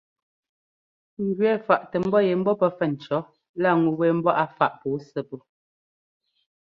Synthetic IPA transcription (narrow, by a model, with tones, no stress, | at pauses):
ŋ˨ɡɥɛ˦˨fa˨ʔtə˨m̩˦bɔ˦je˨m̩˦bɔ˦pə˦fɛ˦˨n̩˨t͡ʃɔ˨˦ | la˦˨ŋu˨wɛ˦˨m̩˦bɔ˦ʔa˦fa˦˨ʔpuː˨˦sə˦˨pu˦